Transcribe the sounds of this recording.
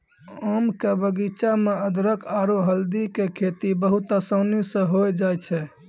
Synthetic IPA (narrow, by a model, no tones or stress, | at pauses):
əmkebəɡit͡ʃameəd̪ɾəkaɾoɦəld̪ikekʰet̪ibəɦut̪əsənisə̃ɦoed͡ʒajt͡ʃʰɛ